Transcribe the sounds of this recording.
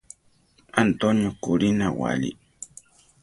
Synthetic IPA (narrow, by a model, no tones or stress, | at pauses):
ant̪onjokʊɾinawa̰lḭ